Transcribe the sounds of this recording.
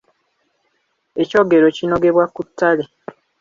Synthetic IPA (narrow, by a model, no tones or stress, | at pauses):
e̞co̞ːɡe̞ɾocino̞ɡe̞βwakutʰːale